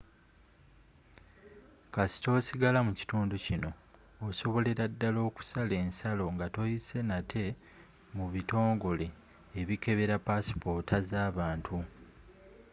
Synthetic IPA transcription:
kasi̥to̞ːsiɡalamuci̥tuːnducino̞ː | so̞βo̞le̞ɾadːalo̞ːku̥sale̞ːnsalo̞ŋɡato̞jise̞natʰe̞ | muβito̞ːŋɡo̞le̞ː | βike̞βe̞ɾapasi̥po̞tazaːβaːntʰu

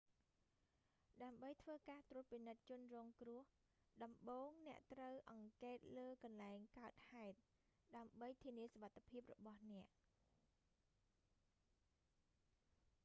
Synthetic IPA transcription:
ɗaəmɓəjt̪ʰʋəːkaːt̪rʊ̆ət̪̚pinɨt̪̚t͡ɕʊ̆ənrɔːŋkrʊ̆əh | ɗɑmɓoːŋnɛ̆əʔt̪rəwʔɑŋkeːt̪̚ləːkɑnlaɛŋkaət̪̚haɛt̪̚ | ɗaəmɓəjt̪ʰiəniəsoʋat̪ʰːepʰiəp̬̚rɔɓɑhnɛ̆əʔ

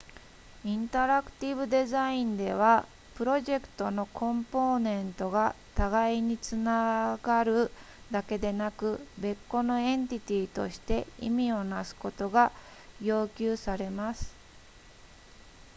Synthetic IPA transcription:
ĩnt̪aɾakɯ̟̥t̪ʲibɯ̟d̪e̞zaĩnd̪e̞β̞a | pɯ̟ɾo̞ʑe̞kɯ̥t̪o̞no̞kʰõ̞mpo̞ːnẽ̞nt̪o̞ɡat̪aɡaiɲ̟it͡sɨnaɡaɾɯ̟ | d̪ake̞d̪e̞nakɯ̟be̞kːo̞no̞ẽ̞nt̪ʲit̪ʲiːt̪o̞̰ɕi̥t̪e̞ḭmʲio̞nasɨ̥ko̞t̪o̞ɡajo̞ːkʲɨːsaɾe̞masɨ̥

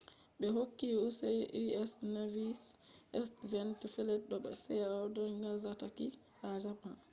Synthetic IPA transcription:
ɓɛɦokːiusɛʔiɛsnavisɛsvɛntfɛlɛt̚ɗɔɓa̰sɛawdɔŋɡazataki | had͡ʒapa

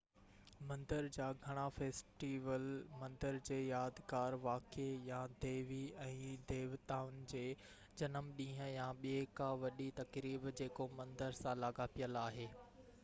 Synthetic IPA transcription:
mɐ̃nd̪əɾd͡ʑaːɡʱɐɽ̃afeːsʈiːʋəlmɐ̃nd̪əɾd͡ʑeːjaːd̪kaːɾʋaːkejãd̪eːʋiɛ̃ːd̪eːʋt̪aːʊnd͡ʑeː | d͡ʑɐnəmɗĩːɦə̃̆jãɓieːkãʋɐɗit̪ɐkɾiːbd͡ʑeːkomɐ̃nd̪əɾsãlaːɡapijəlaːɦeː

